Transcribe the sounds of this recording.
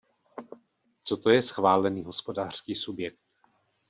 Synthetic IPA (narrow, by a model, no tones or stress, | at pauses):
t͡sot̪o̞jɛsxvaːlɛniːɦo̞spo̞daːr̝̥skiːsubjɛkt̪